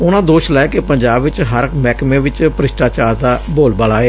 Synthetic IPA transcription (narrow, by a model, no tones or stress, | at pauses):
ʊnãːd̪oːʃlɛekepəɲd͡ʒaːbɪt͡ʃɦəɾəkmɛːkmẽːʋɪt͡ʃpəɾɪʃʈaːt͡ʃaːɾd̪aːboːlbaːlaːeː